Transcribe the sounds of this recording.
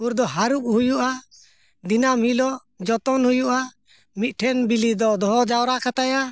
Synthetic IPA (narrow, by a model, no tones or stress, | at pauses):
uɾd̪ɔɦaɾup̚hujuʔa | d̪inamhilɔ | d͡ʒɔt̪ɔnhujuʔa | mit̪̚ˀʈʰɛnbilid̪ɔʔd̪ɔɦɔd͡ʒawɾakat̪aja